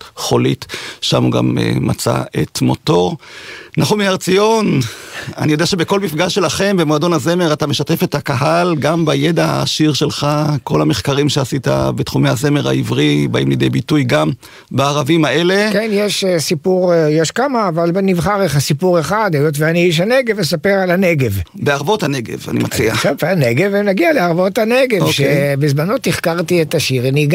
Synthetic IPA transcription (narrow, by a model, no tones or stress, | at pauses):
χo̞litʃa̰muɡa̰mḛma̰t͡sa̰ḛtmo̞̰to̞ʁnaχumiaʁt͡sijo̞na̰nijodeaʃebeko̞lmifɡaʃe̞laχe̞mbemoado̞naze̞me̞ʁatameʃate̞fe̞thakaɦalɡambaje̞daha̰ːʃiʁʃe̞lχako̞lhameχkaʁimʃeasita̰betχumejhaze̞me̞ʁa̰ivʁibaimlid̪ejbitujɡam | baːʁavimae̞le̞kennjeʃsipuʁjeʃkamaːvalbenivχaʁeχasipuʁeχad̪ajotveaniiʃ̬aneɡevesapeʁalaneɡev | beaʁvo̞thaneɡḛva̰nimat͡sia̰ʃavaneɡevemnaɡialeaʁvo̞taneɡevʃkeebezmano̞t̪iχkaʁt̪ietaʃiʁaniɡa